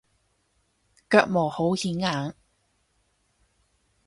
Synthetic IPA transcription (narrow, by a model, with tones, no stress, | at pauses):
kœː˧k̚mɔː˨˩ho˨˥whiː˨˥nŋaː˨˥ŋ